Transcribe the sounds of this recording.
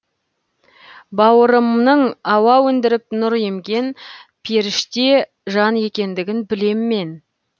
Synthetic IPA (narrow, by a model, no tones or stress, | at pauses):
bɑwəɾəmnəɴɑwɑwɵnd̪ɪɾɪp̚nʊɾje̞mɡʲe̞npʰeɾɪʃt̪e̞ | ʒɑnje̞kʲe̞nd̪ɪɡʲɪnbɪle̞mːe̞n